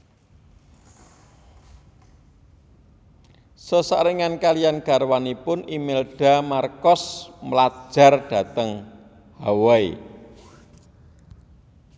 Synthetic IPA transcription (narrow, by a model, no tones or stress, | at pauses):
səsa̰ɾiŋankalijanɡ̥a̤rwanipʊnimɪlɖ̥a̤markɔsməlḁʒ̥a̤rɖ̥a̤t̪əŋ | hawai